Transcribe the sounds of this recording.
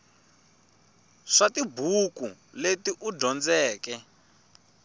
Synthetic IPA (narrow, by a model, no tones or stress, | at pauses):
ʂatibukuletiʔudɔnd͡zɛːkɛ